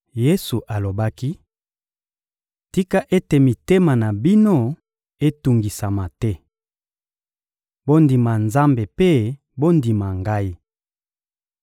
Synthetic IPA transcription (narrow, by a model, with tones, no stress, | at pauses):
je˦su˨ʔa˨lo˨ba˦ki˦ | ti˦ka˦ʔe˦te˨mi˨te˦ma˨na˨bi˦no˦ | e˦tu˨ŋɡi˨sa˨ma˨tɛ˦ | bo˦ndi˨ma˨nza˦mbe˨pe˦ | bo˦ndi˨ma˨ŋɡa˦i˦